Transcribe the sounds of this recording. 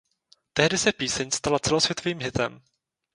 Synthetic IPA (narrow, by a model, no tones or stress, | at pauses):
t̪ɛɦdɪsɛpiːsɛɲst̪alat͡sɛlo̞svjɛt̪oviːmɦɪt̪ɛ̰m